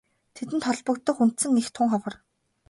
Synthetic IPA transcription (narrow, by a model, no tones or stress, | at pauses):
t̪ʰet̪ɘ̆nt̪ʰχɔɮpɞ̆kt̪ːɞ̆xun̥t̪sɘ̆ŋnːext̪ʰʊŋχɔwɞ̆r